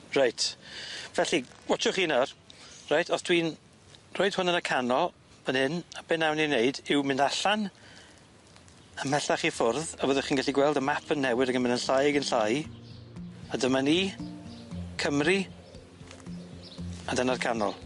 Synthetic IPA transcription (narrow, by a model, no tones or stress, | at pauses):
rajtʰvɛɬiwɔt͡ʃʊχiːnɔrrajtʰɔsd̥ʰwin | roːɨd̥hʊnənəkʰanɔlˠ | m̥ənhɪnab̥ɪnːawnineɨdɪwmɪndaɬan | əmɛɬaχifʊrðavɔːðəχiːnɡɛɬiɡwɛlˠdəmapʰənːɛwɪðəɡənmɪnənɬajaɡənɬaj | adəmaniː | kʰəmri | adənarkʰanɔ̰lˠ